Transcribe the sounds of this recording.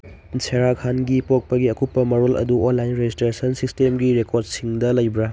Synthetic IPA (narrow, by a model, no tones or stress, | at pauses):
sʰeɾakʰanɡipok̚pɐɡiɐkupːɐmɐɾolɐ̰duonlajnɾed͡ʒistɾesɐnsistemɡiɾekʰoɾd̚siŋdɐlɐjbɾa